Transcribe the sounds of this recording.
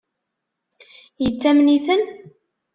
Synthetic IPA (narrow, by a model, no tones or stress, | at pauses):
jət͡sːæmniθən